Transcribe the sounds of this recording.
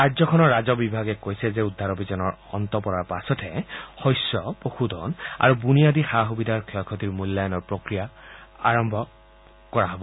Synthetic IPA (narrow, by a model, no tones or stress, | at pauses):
ajzɔkʰɔnɔɹːazɔbibʱaɡɛkojsɛzɛudʱːaɹobʱizɔnɔɹɔ̰ntɔpɔɹaɹpasɔtʰɛhɔjsːɔpoxudʱɔ̰na̰ɹubunijadixaxubidʱaɹkʰɔjkʰɔtiɹmulːajɔnɔɹpɹokɹijaaɹɔmbʱɔ | kɔɹaɦɔbɔ